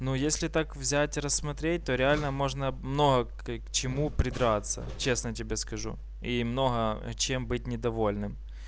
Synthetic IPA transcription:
nujesʲlʲɪt̪akvzʲætʲɾəsːmɐt̪ɾʲet̚ʲt̪oɾʲɪalʲnəmo̞ʐnəmno̞ɦɐkkt͡ɕɪmupɾʲɪd̪ɾat̪sːə̰t͡ɕesnətʲɪbʲeskɐʐṵ | imno̞ɦɐ̰t͡ɕembɨt̚ʲnʲɪd̪ɐvo̞lʲnɨm

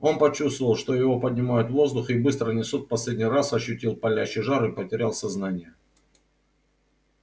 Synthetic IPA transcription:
o̞npɐt͡ɕust̪vəvəlˠʂt̪o̞jɪvo̞pədʲnʲɪmajʊt̪vo̞zd̪ʊxibɨst̪ɾənʲɪsut̪pɐsʲlʲedʲnʲɪjrasɐɕːʊtʲilˠpɐlʲæɕːɪʐaɾɨpətʲɪɾʲalˠsɐznanʲɪjə

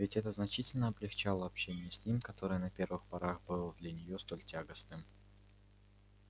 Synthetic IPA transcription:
vʲɪtʲɛt̪əznɐt͡ɕitʲɪlʲnəɐblʲɪxt͡ɕalˠəɐpɕenʲɪjəsʲnʲimkɐt̪o̞ɾɨjənɐpʲe̞rvɨxpɐɾaxbɨlˠəd̪lʲənʲɪjost̪o̞lʲtʲaɡəsnɨm

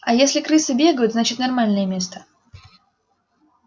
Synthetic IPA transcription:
ɐjesʲlʲɪkɾɨsɨbʲe̞ɡəjʊt̪znat͡ɕɪt̪nɐrmalʲnɨjəmʲe̞st̪ə̥

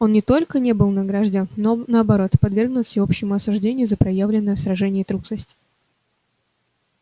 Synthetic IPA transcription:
o̞nnʲɪt̪o̞lʲkənʲe̞bɨlˠnəɡɾaʐdʲennonəɐbɐɾo̞t̪pɐd̪vʲe̞rɡnʊt̪fsʲɪopɕːɪmʊɐsʊʐdʲenʲɪjʊzəpɾɐjavlʲɪnːəjəsɾɐʐɛnʲɪjət̪ɾuksəsʲtʲɪ

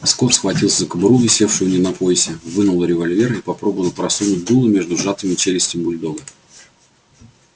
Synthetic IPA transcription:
skofsxvɐtʲilˠszəkɨbɾuvʲɪsʲe̞fʂɨjʊnʲɪnɐpo̞ɪsʲɪvɨnʊlˠəɾʲɪvɐlʲvʲe̞ɾəipɐpɾo̞bəvəlˠpɾɐsunʊt̚ʲd̪ulˠɨmʲe̞ʐd̪ʊʐat̪ɨmʲɪt͡ɕelʲɪsʲtʲɪmbʊlʲd̪oɡə

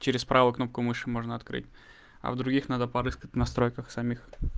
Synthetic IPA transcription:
t͡ɕɪɾʲɪspɾavəkno̞p̚kʊmɨʂɨmo̞ʐnəɐt̪kɾɨ̰tʲ | ɐ̰vd̪ɾʊɡʲixnad̪əpɐɾɨskətʲnɐst̪ɾo̞jkəxsɐmʲix

